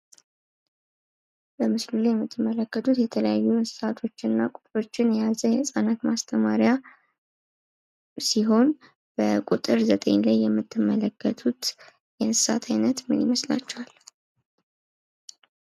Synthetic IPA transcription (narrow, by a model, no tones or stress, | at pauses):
bəmɨslulajɛmːɨt̪ʰːɨmːələkːət̪ʰʼut̪jɛt̪ʰələjajːunɨssat̪ʰo̞t͡ʃːɪnːakʼut̪ʼɾo̞t͡ʃːɪnjɛjazəjɛsʼanat̪mast̪ʰəmaɾja | siɦo̞n | b̥əkʼut̪ʼɨɾzət̪ʼḛɲlajːɛmːɨt̪ʰːɨmːələkːət̪ʰut̪ | jɛnɨsa̰t̪ʰajnət̪mɨnjɪməsla̰t͡ʃːɛwal